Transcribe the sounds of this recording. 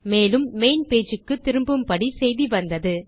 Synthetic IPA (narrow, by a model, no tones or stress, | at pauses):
meːlɯmːeɪnpeːd͡ʒɯkːɯt̪ːɪɾɯmbɯmpɐɽisɛjðiʋɐnd̪ɐðɯ